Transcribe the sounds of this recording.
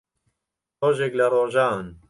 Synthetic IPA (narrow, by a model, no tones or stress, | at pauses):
roːʒeːklɐroːʒaːn